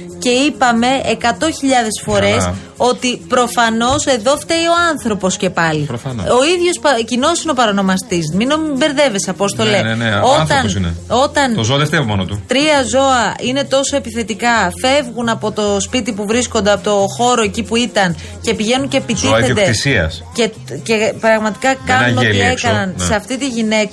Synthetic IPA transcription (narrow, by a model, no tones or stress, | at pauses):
ce̞ipɐme̞ekɐt̪o̞çiʎɐðe̞sfo̞ɾe̞s | o̞t̪ipɾo̞fɐno̞se̞ðo̞ft̪eio̞ɐnθɾo̞po̞sce̞pɐlipɾofɐnoo̞iðʝo̞spɐcino̞sino̞pɐɾɐno̞mɐst̪iz̬minomibe̞ɾðe̞ve̞sɐpost̪o̞leneoθt̪ɐnsinḛo̞t̪ɐnozoɐðeft̪evomonot̪ut̪ɾiɐzo̞ɐʔine̞t̪o̞so̞e̞piθe̞t̪ikɐfe̞vɣunɐpo̞t̪o̞spit̪ipuvɾiskond̪eɐpo̞t̪o̞xo̞ɾo̞e̞cipuit̪ɐn | ce̞piʝe̞nuncepit̪iθed̪eisiɐ̰sce̞ | ce̞pɾɐɣmɐt̪ikɐkɐnunoeiekskɐnɐnseɐft̪it̪iʝine̞k